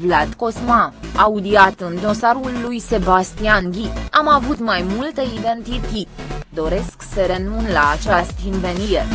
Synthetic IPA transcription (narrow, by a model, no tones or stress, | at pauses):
vlat̪ko̞smaaud̪iat̪ɨnd̪o̞saɾulːujse̞bast̪ianɡʲiamavut̪majmult̪əid̪e̞nt̪it̪it̪d̪o̞ɾe̞sksəɾe̞nunlaːt͡ʃast̪inve̞nie